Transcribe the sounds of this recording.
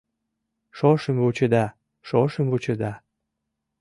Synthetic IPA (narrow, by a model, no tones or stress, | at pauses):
ʃoʃəmβut͡ɕəd̪ɑ | ʃoʃəmvut͡ɕə̆d̪ɑ